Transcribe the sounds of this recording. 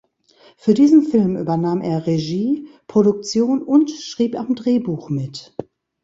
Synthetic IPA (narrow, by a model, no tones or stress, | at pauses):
fyːɐdiːzn̩fɪlmʔy̰ːbɐnaːmeːɐʁeʒiːpʁ̥oɾʊk̚t͡sjoːnʊntʃʁ̥iːpamdʁeːbuːxmɪt